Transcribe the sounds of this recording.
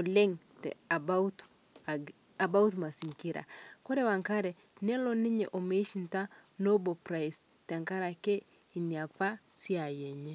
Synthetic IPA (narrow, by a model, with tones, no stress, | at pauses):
o˨lɛ˦ŋ | tɛ̰˨a˨baut | a˨ba˦utma˨si˨ŋki˦ɾa̰˨kɔ˦ɾɛ˦wa˨ŋka˦ɾɛ | nɛ˦lɔ˦ni˦ɲɛ̰˨ʔo˨me˦ʃi˦nta˦no˦bopɾa˨js | ta˨ŋka˦ɾa˨kɛ˦ | i˨ni˨a˨pa˦si˦a˨jɛ˨ɲɛ